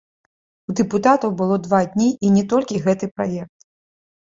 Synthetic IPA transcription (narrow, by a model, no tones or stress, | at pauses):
wd̪ɨput̪at̪ɐwbɨlˠɔd̪vad̪ʲnʲiʔːnʲɛt̪ɔlʲkʲiɣɛt̪ɨpɾajɛk̚t̪̚